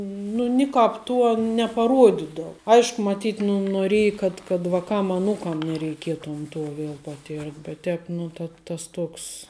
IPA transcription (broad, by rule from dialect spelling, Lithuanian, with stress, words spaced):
ˈnʊ nʲɪˈkɑːp ˈtuɔ nʲɛpɐˈruɔdʲɪdɐw ˈɐɪʃkʊ mɐˈtʲiːt nʊ noːˈrʲeːjɪ kɐt kɐt ʋɐˈkɐm ɐˈnuːkɐm nʲɛrʲɛɪˈkʲiɛtoːm ˈtoː ˈʋʲiɛlˠ pɐˈtʲɪrt bʲɛt ˈtʲɛːp ˈnʊ tɐ ˈtɐs ˈtoːks